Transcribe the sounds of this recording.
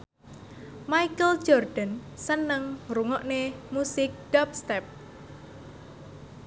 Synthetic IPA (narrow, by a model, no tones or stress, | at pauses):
majkəl̥d͡ʒɔrɖ̪̥ənsənəŋruŋɔʔnemusɪk̚d̥ap̚st̪ɛp̚